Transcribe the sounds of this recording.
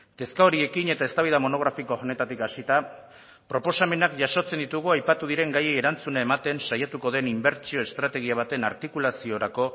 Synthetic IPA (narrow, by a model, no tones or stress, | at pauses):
t̪e̞skaoɾie̞kiɲe̞t̪ae̞st̪aβ̞iðamo̞no̞ɣ̞ɾafiko̞one̞t̪at̪ikasit̪a | pɾo̞po̞same̞nakʝaʃo̞t͡se̞nd̪it̪uɣuajpat̪uðiɾe̞ŋɡajeeɾant͡sunae̞mat̪e̞nsajat̪uko̞ðe̞nimbe̞ɾt͡ʃio̞e̞st̪ɾat̪e̞ɣiaβ̞at̪e̞na̰ɾt̪ikulasio̞ɾako̞